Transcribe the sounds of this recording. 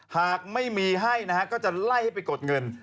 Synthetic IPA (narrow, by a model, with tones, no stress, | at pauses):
haː˨˩k̚ma˥˩jmiː˧ɦa˥˩jna˦˥˦kɔː˥˩t͡ɕa˨˩la˥˩jha˥˩jp̬a˧jko˨˩t̪̚ŋɤ˧n